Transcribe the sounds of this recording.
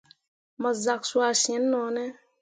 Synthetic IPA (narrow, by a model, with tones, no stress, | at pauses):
mə˨za˨ksu˦a˨sĩ˨ɛ̃˨˦nːɔ̃ː˨nɛ˦